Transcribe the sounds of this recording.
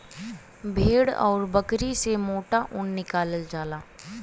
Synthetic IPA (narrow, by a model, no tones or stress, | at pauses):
bʱeːɽɔ̰ːɾbəkɾisemoːʈaʔʊnːɪkaːləld͡ʒaːlaː